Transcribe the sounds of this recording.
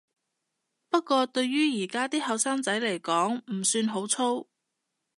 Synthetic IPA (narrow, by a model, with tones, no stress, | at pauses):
pɐ˥t̚kːʷɔː˧t̪ɵ˧ɥjyː˥jiː˨˩kaː˥t̪iː˥hɐ˨˧wsaː˥ŋt͡sɐ˨˥jle˨˩jkɔː˨˥ŋm̩˨˩syː˧nɦo˨˥wt͡sʰo˥w